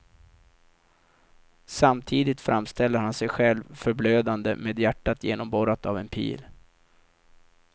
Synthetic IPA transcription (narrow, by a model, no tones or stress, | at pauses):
samt̪ʰiːd̪ɪt̪fɾʔamst̪ɛlːəɾhansɛjɧɛlvfœɾbløːd̪and̪ə̰meːd̪jæʈːat̪ʰjeːnɔmbɔɾat̪avɛnpʰḭːl